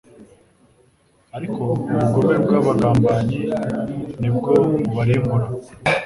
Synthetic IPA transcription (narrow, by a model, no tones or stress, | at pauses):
aɾikʰo̞uuɡoβebɡaːβaɡaːmbaɲi | nib̚ɡo̞βaɾimuɾa